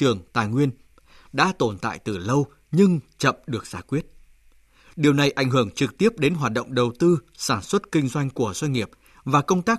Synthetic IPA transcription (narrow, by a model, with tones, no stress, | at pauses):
ɨ˨˩əŋt̪a̰ː˨jŋwi˧ən | ɗa̰ː˧˥t̪o˧˩nt̪a̰ː˧˨jt̪ɨ˨˩lə˧w | ɲɨ˧ŋt͡ɕə̰˧˨mɗɨ˨˩ək̚zaː˧˩kwi˦˥ət̚ | ɗi˨˩əwna˨˩jʔa˧˩jŋ̟ɦɨ˧˩əŋt͡ɕɨ˨˩k̚t̪i˦˥əp̚ɗe˨˦nɦwaː˨˩t̚ɗo̰˧˨wŋ͡mɗə˨˩wt̪ɨ˧saː˧˩nswə˦˥t̚kï˧ŋ̟zwa˧jŋ̟ku˧˩əzwa˧ŋ̟ŋi˨˩əp̚ | vaː˨˩kə˧wŋ͡mt̪aː˦˥